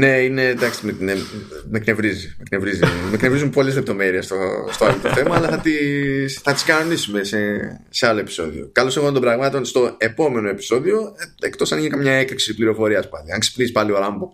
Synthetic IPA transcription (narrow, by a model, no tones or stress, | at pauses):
ne̞ine̞d̪ɐkst̪mene | mekne̞vɾizimekne̞vɾizimeknevɾizumpo̞lezle̞p̚t̪o̞me̞ɾiest̪o̰st̪oɐlot̪o̞θe̞mɐɐlɐθɐt̪isθɐt̪i̥skɐno̞nisume̞sese̞alo̞epi̥so̞̰ðio̞̰kɐlo̞seɣɐnd̪o̞bɾɐɣmɐt̪o̞nst̪o̞e̞po̞me̞no̞e̞pi̥so̞ðio̞eekt̪o̞sɐnʝinikamɲɐe̞kɾiksipliɾo̞fo̞ɾiɐspɐliɐŋksi̥pnisipɐlio̞ɾɐmbo